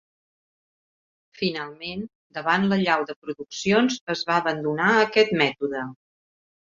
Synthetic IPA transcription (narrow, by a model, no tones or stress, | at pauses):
finalˠmen | d̪əβanləʎawðəpɾuðuksionzəzβaəβənd̪unaəkɛt̪mɛt̪uðə